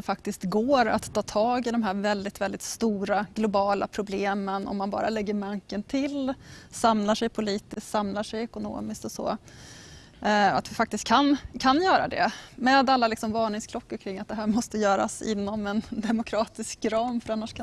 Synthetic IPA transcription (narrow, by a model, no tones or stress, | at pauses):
ɛfak̚t̪ɪskt̪ɡoːɾa̰t̪t̪ʰːɑːt̪ʰɑːɡɪd̪ɔmɦæːɾvɛld̪ɪt̪vɛld̪ɪt̪st̪uːɾaɡ̥lʊbɑːla̰pʰɾʊbleːmənɔ̰mːanbɑ̰ːɾa̰lɛɡːəɾmaŋkənt̪ʰɪlsamlaʂɛjpʰʊliːt̪ɪst̪samlaʂɛjɛkʊno̰ːmɪskt̪ɔsɔ̰ː | at̪vɪfakt̪ɪst̪̚kʰankʰanjœːɾa̰d̪ɛ̰mɛːd̪alːalɪksɔmvɑːɳɪŋskʰlɔkːʊɾkʰɾɪŋːat̪̚d̪ɛɦæːɾmɔst̪əjœːɾa̰sɪ̰nːɔmɛnd̪ɛmʊkʰɾɑːt̪ɪskɾɑːmfœɾanːaʂkʰa